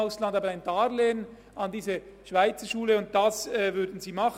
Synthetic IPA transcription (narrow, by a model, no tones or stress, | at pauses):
ʊslɑndɑːbəaɪndɑːʁleːən | ɑndiːzə | ʃv̥aɪt͡səʃuːləʊnt̚d̥ɑsɛːvʏɐdn̩ziːmɑχ